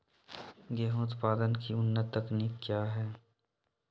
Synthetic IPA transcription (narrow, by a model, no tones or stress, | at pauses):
ɡɛːɦʊt̪paːd̪ənkiʊnːət̪ːɐkniːkkːjaːɦɛː